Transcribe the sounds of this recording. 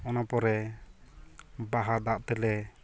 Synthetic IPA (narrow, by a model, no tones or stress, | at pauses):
ɔnapɔɾɛ | baɦad̪aʔt̪ɛlɛ